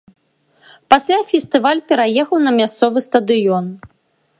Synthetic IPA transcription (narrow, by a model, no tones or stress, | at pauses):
pasʲlʲafʲɛst̪ɨvalʲpʲɛɾajɛxɐwnɐmʲast̪sɔvɨst̪ɐd̪ɨjɔn